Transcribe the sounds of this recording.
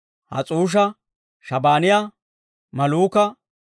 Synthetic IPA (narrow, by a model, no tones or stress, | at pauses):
hɐ̰t͡sʼuːʃ̬ɐ | ʃɐbaːnɪja | mɐluːkɐ